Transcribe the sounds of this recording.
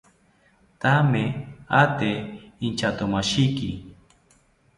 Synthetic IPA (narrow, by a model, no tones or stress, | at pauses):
t̪ameat̪eːnt͡ʃat̪omaʃɪkɪ